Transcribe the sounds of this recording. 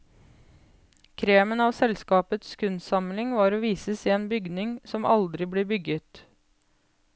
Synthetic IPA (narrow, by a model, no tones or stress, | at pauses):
kʰɾeːmənɑːʋsɛlskɑːpət̪skʰʉnsɑmlɪŋʋɑːɾoːʋiːsəsiːeːnbʏɡnɪŋsɔmʔɑ̰ld̪ɾɪbleːbʏɡət̪